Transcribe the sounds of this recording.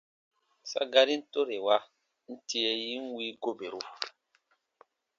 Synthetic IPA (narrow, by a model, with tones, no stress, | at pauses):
sa̰˦ɡa˦ɾi˦n̩˦to˦ɾe˨wa˦ | n̩˦ti˦ɛ˦ji˦n˦wi˦ɡo˦be˨ɾo˦